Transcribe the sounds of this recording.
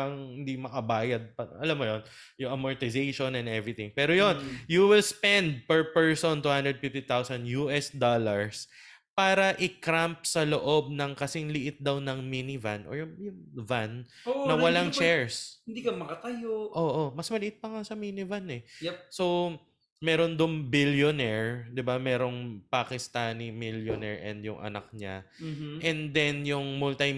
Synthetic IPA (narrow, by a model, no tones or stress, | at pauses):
ɐŋhɪnd̪imɐkɐbaːjɐd̪̚pɐɐlamːojon | jʊŋɐmɔɹt̪ɪzejʃonɛ̃nɛvɹɪt̪ɪŋpɛːɾojonjuwɪlspɛnd̪̚pɛɹpɛɹsont̪uhand̪ɹɛd̪̚fɪft̪it̪awsɐnjuʔɛsd̪olɐɹs | paːɾɐʔɪkɾamp̚sɐloʔob̚nɐŋkɐsɪŋlɪʔɪt̪̚d̪ɐwnɐŋminɪva̰nʔo̰ɹjʊŋʊvanonɐwɐlaŋt͡ʃɛɹshɪnd̪iːkɐmɐkɐt̪ɐjoʔoːʔomɐsmɐlɪʔɪt̪̚pɐŋasɐminɪvanɛjso̞w | mɛːɾond̪ʊŋbiljonɛɹd̪ɪbamɛːɾo̞ŋpakɪst̪aːnimiljonɛɹʔɛ̰nd̪jʊŋʔɐ̰nɐ̰k̚ɲa̰ʔɛnd̪ɛnjʊŋmult̪ij